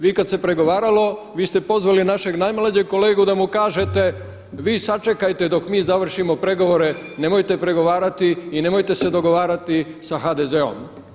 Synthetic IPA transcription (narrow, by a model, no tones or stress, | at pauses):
ʋiːkad̪se̞pɾe̞ɡo̞ʋaːɾalo̞ʋiːst̪epo̞zʋalinaʃe̞ɡnajmlˠad͡ʑeɡ̚ko̞le̞ːɡud̪amukaːʒe̞t̪e̞ | ʋiːsat͡ʃe̞kajt̪e̞d̪o̞kmiːzaʋr̩ʃimo̞pɾe̞ɡo̞ʋo̞ɾe̞ | ne̞mo̞jt̪e̞pɾe̞ɡo̞ʋaːɾat̪iːne̞mojt̪e̞sed̪o̞ɡo̞ʋaːɾat̪isaxad̪ezeo̞̰m